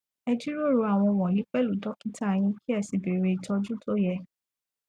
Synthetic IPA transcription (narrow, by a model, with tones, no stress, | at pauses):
ɛ˧d͡ʒi˦ɾo˦˨ɾu˧a˨w̃ɔ̃˧w̃ɔ̃˨i˨˦k͡pɛ˦lu˨dɔ˨˦ki˦ta˦˨j̃ĩ˧ki˦ɛ˦˨si˨be˨ɾe˧i˨tɔ˧d͡ʒũ˦to˦jɛ˨